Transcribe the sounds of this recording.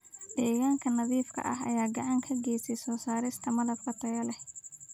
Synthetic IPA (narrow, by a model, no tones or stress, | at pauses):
ɖ̪̥ɛːɣaːŋkʰɐnɐðiːfkʰɐ̰ʔɐ̰ɦɐ̰jaːɡɐʕɑŋkʰɐɡɛːjsɛjsɔːsaːɾɪst̪ʰɐmɐðɐbkʰɐt̪ʰɐɣɐlɛh